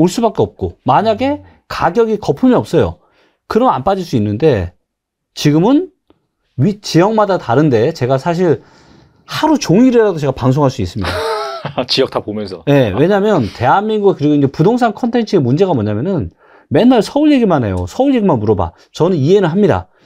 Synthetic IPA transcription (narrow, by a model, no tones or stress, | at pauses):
oɭs͈ubak͈eʌp̚k͈omaɲaɡe̞ | kaɡjʌɡikʌpʰɯmiʌp̚s͈ʌjo̰ | kɯɾʌmna̰np͈ad͡ʑiɭs͈uinːɯnde̞ | t͡ɕiɡɯmɯn | ɥit͡ɕijʌŋmadataɾɯnde̞t͡ɕe̞ɡasʰaɕ̬ʰiɭ | haɾut͡ɕoŋiɾeɾadot͡ɕe̞ɡapaŋs̬ʰoŋɦaɭs͈uis͈ɯmɲidat͡ɕijʌk̚tʰapomjʌnsʰʌje̞we̞ɲamjʌnte̞ɦanmːiŋɡuɡakɯɾiɡoind͡ʑe̞pudoŋs̬ʰaŋkʰʌntʰe̞nt͡ɕʰɯemund͡ʑe̞ɣamʌɲamjʌnɯn | me̞nːaɭsʰʌuɭje̞ɡimanɦe̞̰jo̰sʰʌuɭʎe̞ɡimanmuɾʌba̰ | t͡ɕʌnɯniɦe̞nɯnɦamɲida̰